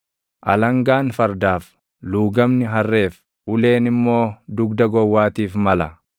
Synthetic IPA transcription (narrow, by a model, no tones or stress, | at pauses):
ʔɐ̰lɐŋɡaːnfɐɾd̪aːf | luːɡɐmnɪɦɐrːe̞ːf | ʔʊle̞ːnɪmːo̞ːd̪ʊɡd̪ɐɡɔwːaːt̪iːfmɐlɐ